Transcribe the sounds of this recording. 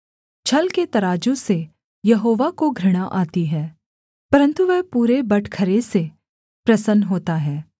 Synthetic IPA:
t͡ʃʰɐlket̪ɐɾaːd͡ʒõse | jɐɦoːʋakoɡʱɾɪɽ̃aʔaːt̪iɦɛː | pɐɾə̃nt̪uʋɛɦpuːɾebɐʈʰkʰəɾese | pɾɐsənɦoːt̪aɦɛː

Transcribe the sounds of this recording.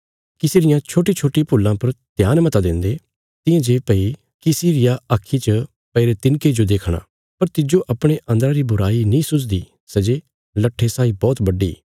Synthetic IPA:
kɪseːɾɪjãt͡ʃʰoːʈit͡ʃʰoːʈipuːlːãpɐɾt̪jaːnmɐt̪ad̪ɪ̃nd̪e | t̪ɪ̃jãd͡ʒeːpɐi | kisiːɾɪjaakʰːit͡ʃə | pɐɪɾet̪ɪnked͡ʒod̪eːkʰɽ̃a̰ː | pɐɾt̪ɪd͡ʒoʔɐpɽ̃eʔɐ̃nd̪əɾãɾibʊɾaːinĩsʊt͡ʃ̬d̪i | sɐd͡ʒe | lɐʈʰːesaːibɔːt̪bɐɖḭː

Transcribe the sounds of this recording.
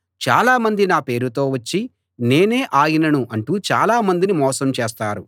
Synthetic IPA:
t͡ʃa̰ːlaːmɐnd̪inaːpe̞ːɾut̪o̞ːʋɐt͡ʃːi | ne̞ːne̞ːʔaːjinɐnuʔɐɳʈuːt͡ʃa̰ːlaːmɐnd̪inimɔːsɐmt͡ʃeːst̪aːɾu

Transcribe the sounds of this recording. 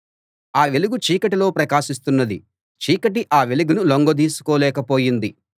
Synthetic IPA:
aːʋeluɡut͡ʃiːkɐʈilo̞ːpɾɐkaːʃis̬t̪unːɐd̪i | t͡ʃiːkɐʈ̬iʔaːʋe̞luɡunuloŋɡod̪iːsu̥koːlɛːkɐpo̞ːjind̪i

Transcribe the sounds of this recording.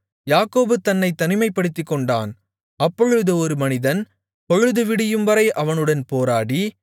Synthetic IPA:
jaːkoːbɯt̪ɐnːɐɪt̪ːɐnɪmɐɪpːɐɽɯt̪ːɯkːɔɳɖa̰ːn | ɐpːɔɻɯðɯɔɾɯmɐnɪðɐn | pɔɻɯðɯʋɪɽɪjɯmʋɐɾɐɪʔɐʋɐnɯɽɐnpoːɾaːɽi

